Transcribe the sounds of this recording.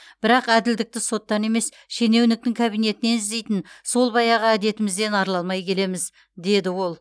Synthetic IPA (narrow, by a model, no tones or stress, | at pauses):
b̥ɪɾɑqæd̪ɪld̪ɪk̚t̪ɪso̞t̪ːɑne̞me̞s | ʃe̞ne̞wnɪk̚t̪ɪŋkʲʰabijne̞t̪ɪne̞nɪzd̪e̞jt̪ɪnso̞lˠbɑjɑʁəæd̪e̞t̪ɪmɪzd̪e̞nɑɾlˠɑlˠmɑjkʲʰe̞le̞mɪz | d̪e̞d̪ɪwo̞lˠ